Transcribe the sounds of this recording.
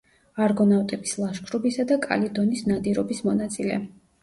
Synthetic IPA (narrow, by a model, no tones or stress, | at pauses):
aɾɡɔnavt̪ʼɛbislˠaʃkʰɾɔbisad̪akʼa̰lid̪ɔnisnad̪iɾɔbismɔnat̪sʼilɛ̰